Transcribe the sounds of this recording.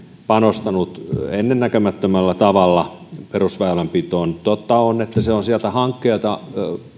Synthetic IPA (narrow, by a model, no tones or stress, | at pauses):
pɑnost̪ɑnut̪enːennækømæt̪ːømælːæt̪ɑʋɑlːɑperusʋɑelempit̪oːnt̪ot̪ːɑonet̪ːæseonsiælt̪æhɑŋkːeːt̪ɑ